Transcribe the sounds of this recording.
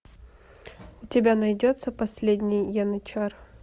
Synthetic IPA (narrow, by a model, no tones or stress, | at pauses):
ʊtʲɪbʲanɐjdʲot̪səpɐsʲlʲedʲnʲɪjjanɐt͡ɕar